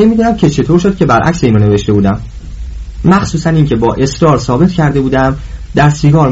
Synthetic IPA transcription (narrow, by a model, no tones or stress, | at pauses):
emiːd̪uːnæmcʰe̞t͡ʃʰe̞t̪ʰoɾʃod̪̥̚cʰʲe̞bæɾʔæ̰cseiːnone̞ve̞ʃt̪e̞buːd̪æmː | æxsuːsæniːŋcʰe̞bɒːʔe̞sɾɒːɾsɒːbe̞t̪ʰcʰæɾd̪e̞buːd̪æmd̪æɾsiɡɒːɾ